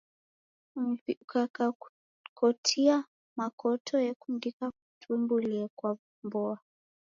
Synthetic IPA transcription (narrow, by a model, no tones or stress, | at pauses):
viukaka | kʰɔtʰia | makʰɔtʰɔjɛkundikak̚u̥tʰumbuliakwa | mbɔa